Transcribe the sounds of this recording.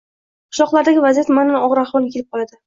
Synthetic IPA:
qʰʊ̥ʃɒqlˠaɾd̪aɡʲɪvazijat̪manɪnɒʁɾaχɒlˠkʲʰelɪp̚qʰɒlˠad̪ɪ

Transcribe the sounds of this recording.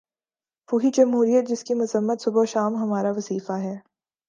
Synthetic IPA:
puːɦid͡ʒɐmɦuːɾijət̪̚d͡ʒɪskimʊzəmːət̪sʊboʃaːmɦɐmaːɾaʋɐziːfaɦɛː

